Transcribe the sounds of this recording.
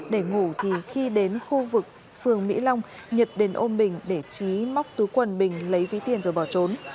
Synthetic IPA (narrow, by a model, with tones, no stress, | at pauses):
ɗe˧˩ŋu˧˩t̪ʰi˨˩xi˧ɗe˨˦nxu˧vɨ˨˩k̚ | fɨ˨˩əŋmḭ˧˥la˧wŋ͡mɲə˨˩t̚ɗe˨˦nʔo˧nɓï˨˩ŋ̟ɗe˧˩t͡ɕi˨˦ma˦˥wk͡p̚t̪u˨˦jkwə˨˩nɓï˨˩ŋ̟lə˨˦jvi˨˦t̪i˨˩ənzoː˨˩jɓɔ˧˩t͡ɕo˨˦n